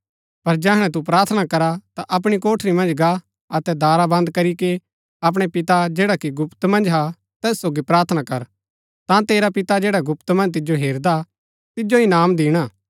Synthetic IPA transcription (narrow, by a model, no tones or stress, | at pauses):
pɐɾd͡ʒɛɦəɽ̃ɛ̃t̪̬up̬ɾaːɾt̪ʰənakɐɾat̪aʔɐp̬ɽ̃ikoːʈʰɾimɐ̃nd͡ʒɡa | ɐt̪ɛd̪aːɾabɐ̃nd̪kɐɾike | ɐp̬ɽ̃epɪt̪ad͡ʒeːɽakiɡʊpt̪mɐ̃nd͡ʒɦa | t̪ɛːsːoːɡipɾaːɾt̪ʰənakɐɾ | t̪ãt̪eːɾapɪt̪ad͡ʒeːɽaɡʊpt̪mɐ̃nd͡ʒt̪ɪd͡ʒoɦeːɾd̪a | t̪ɪd͡ʒoinaːmd̪iːɽ̃aː